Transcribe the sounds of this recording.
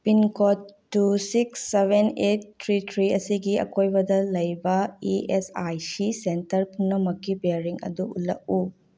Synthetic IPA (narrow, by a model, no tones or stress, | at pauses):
pinkotːusiksːebʱenettʰːɾitʰɾiɐsiɡiɐ̰kojbɐdɐlɐjbɐiesajsisentɐɾpʰunːɐmɐkːibeɾiŋɐ̰d̪uṵlːɐ̰k̚u